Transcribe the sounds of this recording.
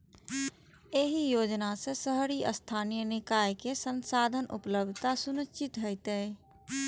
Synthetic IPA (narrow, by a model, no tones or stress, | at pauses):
eɦijoːd͡ʒnasesəɦɾiʔəst̪ʰaːnijənɪkaːjkesənsaːd̪ʱənʔʊ̰pləb̚d̪ʱt̪asʊnəst͡ʃɪt̪ɦəɪt̪e